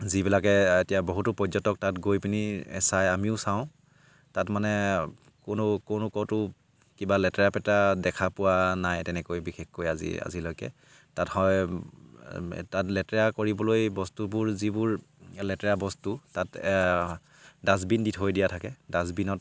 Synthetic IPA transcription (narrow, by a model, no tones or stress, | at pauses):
zibilakɛetijabɔɦutʊpɔzɔtɔk̚tatɡojpiniɛ̰sajamiʊsawʊ̃ | tatmanɛ | kʊnʊkonʊkɔtʊ | kibalɛtɹapɛtadɛkʰapʊwanajtɛnɛkojbixexkojazḭa̰zilojkɛ̰ | tathɔj | tatlɛtɹakoɹibɔlojbɔstubʊɹzibʊɹ | lɛtɛɹabɔstutat | dazbinditɦojdijatʰakɛdaz̬binɔt̚